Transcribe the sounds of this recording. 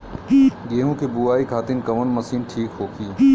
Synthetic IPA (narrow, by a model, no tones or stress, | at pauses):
ɡeːɦũkʰebuaːikʰaːt̪ɪnkɐʋənmɐsiːnʈʰiːkɦoːkʰiː